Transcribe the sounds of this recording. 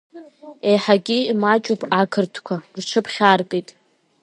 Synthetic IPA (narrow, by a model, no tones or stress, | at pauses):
e̞jħaɡʲimat͡ʃʼupʰʼakʰɨrtʰkʷʰarʈ͡ʂʰɨpʰχʲarkʼejtʼ